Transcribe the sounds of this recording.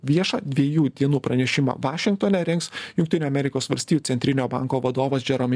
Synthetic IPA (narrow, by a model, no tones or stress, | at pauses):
ʋʲiɛʃɑ̰ːd̪ʲʋʲiɛjuːd̪ʲiɛnuːpɾɐnʲɛʃʲɪmɑ̰ʋɑːʃʲɪŋk̚t̪oːnʲɛɾʲɛŋksjʊŋk̚t̪ʲɪnʲuːɐmʲɛɾʲɪkoːsʋɐlʲsʲt̪ʲiːj̪ːsʲɛnt̪ʲɾʲɪnʲoːbɐ̰ˑŋkoːʋɐd̪oːʋɐsd͡ʒʲɛɾomʲ